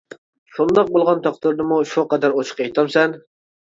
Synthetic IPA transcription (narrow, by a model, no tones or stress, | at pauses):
ʃund̪ɑq̚bolˠʁɑnt̪ʰɑqt̪ɨɾd̪ɨmuʃuqɛd̪æɾot͡ʃʰqejt̪ʰɑmsɛn